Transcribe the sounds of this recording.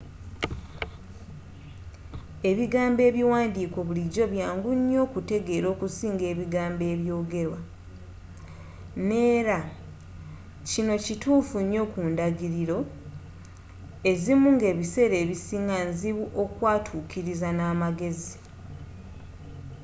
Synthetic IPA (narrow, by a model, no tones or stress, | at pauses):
e̞βiɡaːmbe̞ːβiwaːndiːko̞βuliɟo̞βjaːŋɡuɲːo̞ːkute̞ɡe̞ɾo̞ːkusiːŋɡe̞ːβiɡaːmbe̞ːβjo̞ːɡe̞ɾwa | ne̞ːɾa | cino̞cituːfuɲːo̞ːkuːndaɡiɾiɾo̞ | e̞zimuŋɡe̞ːβise̞ɾe̞ːβisiːŋɡanziβuʔokwaːtʰuːkiɾizanaːmaɡe̞zi